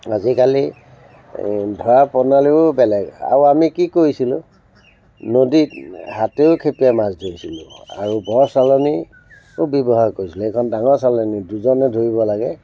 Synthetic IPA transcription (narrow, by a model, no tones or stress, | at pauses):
azikali | dʱɔɹapɔnaliʊbɛlɛɡa̰uamikikoɹisilʊ̃ | noditɦateʊkʰepijamazdʱoisilʊ̰̃a̰ɹubɔɹsalɔni | obɔbɔɦaɹkoɹisilɛɛkʰɔndaŋɔɹsalɔniduzɔnɛdʱoɹiβɔlaɡɛ